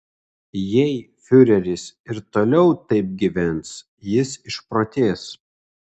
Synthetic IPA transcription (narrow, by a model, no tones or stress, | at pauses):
jɛɪ | fʲʊɾʲɛɾʲɪsɪɾt̪oːlʲɛʊt̪ɐɪp̚ɡʲiʋʲɛns | jɪsɪʃpɾoːt̪ʲeːs